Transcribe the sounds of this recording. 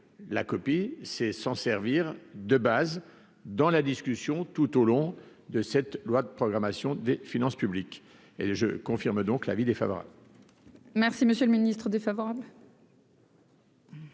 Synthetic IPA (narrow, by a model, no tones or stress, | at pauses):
lakɔpisɛsɑ̃sɛʁviʁd̪əbaz | d̪ɑ̃lad̪iskʲysjɔ̃t̪ut̪olɔ̃d̪əsɛt̪lwad̪əpχɔɡʁamasjɔ̃d̪efinɑ̃spyblik | ḛʒəkɔ̃fiʁmd̪ɔ̃kla̰vid̪efa̰vɔʁa̰bl | mɛʁsiməsjølminist̪χəd̪efavɔʁabl